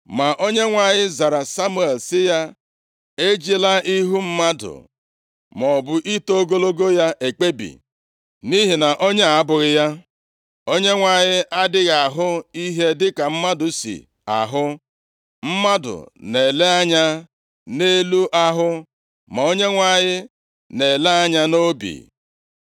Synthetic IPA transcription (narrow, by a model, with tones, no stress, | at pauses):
ma˨ʔo˦ɲe˦ŋʷa˨ɲɪ˦za˨ɾa˨sa˦mu˦˨e˨lsɪ˦ja˦ | e˦d͡ʒi˦la˦i˦ɦu˦m̩˦ma˦dʊ̰˨ | mɔ˨bʊ˨ʔi˦to˦ɡo˦lo˦ɡo˦ja˦ʔe˨k͡pe˦bḭ˨ | ni˦ɦi˨na˨ʔo˦ɲe˦a˨a˦bʊ˨ɾɪ˦ja˦ | o˦ɲe˦ŋʷa˨ɲɪ˦ʔa˦dɪ˦ɣa˨ɦʊ˦i˦ɦe˦dɪ˦ka˨m̩˦ma˦dʊ˨sḭ˨ | a̰˨ɦʊ˦ | m̩˦ma˦dʊ̰˨ne˨le˦a˦ɲa˦ | ne˦lu˦ʔa˦ɦʊ˦ | ma˨o˦ɲe˦ŋʷa˨ɲɪ˦ | ne˨le˦a˦ɲa˦no˦bḭ˨